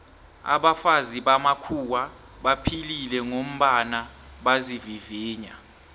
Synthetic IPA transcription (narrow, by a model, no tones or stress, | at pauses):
a̰ɓafaziɓamakʰuwa | ɓapʰililɛŋom̩ɓanaɓaziviviːɲa